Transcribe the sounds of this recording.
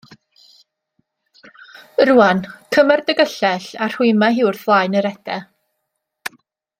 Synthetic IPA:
ɾuːankʰəmɛrdəɡəɬɛɬar̥huɨmaɦɪwrθvlˠaːɨnəɾɛdɛ

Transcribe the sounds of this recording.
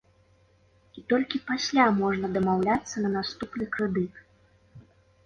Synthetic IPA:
it̪ɔlʲkʲipasʲlʲamɔʐnɐd̪ɐmawlʲat̪sːɐnɐnast̪upnɨkɾɛd̪ɨt̪

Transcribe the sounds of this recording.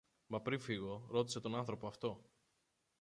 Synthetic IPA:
mɐpɾiɱfiɣo̞ɾo̞t̪̬ise̞t̪o̞nɐnθɾopoɐft̪o̞

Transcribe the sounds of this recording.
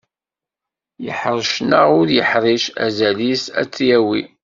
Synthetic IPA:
jə̰ħɾˤʃnəʁʊɾjəħɾˤiʃæ̰zælisæ̰t͡sːjæwi

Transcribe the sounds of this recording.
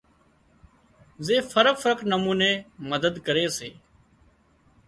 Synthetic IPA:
zeːfʰəɾəkfəɾəknəmuːneːməd̪əd̪kəɾeːseː

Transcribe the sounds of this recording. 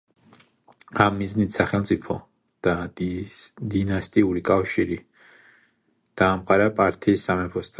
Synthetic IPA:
amːiznit̪saχɛlˠt̪sʼipʰɔ | d̪̥a | d̪inast̪ʼiuɾikʼafʃiɾi | d̪̥aːmqʼaɾapʼaɾt̪ʰiːsːamɛpʰɔst̪ʰ

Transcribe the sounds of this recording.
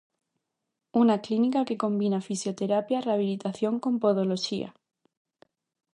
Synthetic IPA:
unaklinikake̞ko̞mbinafisjo̞t̪e̞ɾapjareaβ̞ilit̪aθjo̞ŋkõ̞mpoðoloʃia̰

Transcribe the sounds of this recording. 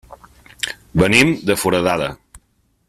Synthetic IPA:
bənimd̪əfuɾəðaðə

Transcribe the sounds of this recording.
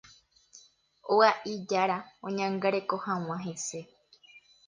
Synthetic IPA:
oaʔid͡ʒaɾaõɲãŋɡaɾe̞ko̞hãw̃ãɦese̞

